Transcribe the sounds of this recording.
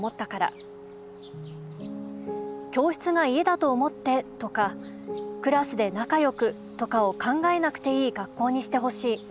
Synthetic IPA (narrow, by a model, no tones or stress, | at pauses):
mo̞t̪ːakaɾa̰ | kʲo̞ːç̥t͡sɨɡaie̞d̪at̪o̞ːmo̞t̪ːe̞t̪o̞ka | kɯ̟ɾasɨd̪e̞nakajo̞kɯ̟ | t̪o̞kao̞kʰãŋɡae̞nakɯ̟̥t̪e̞iːɡakːo̞ːɲ̟iɕi̥t̪e̞ɦo̞ɕiː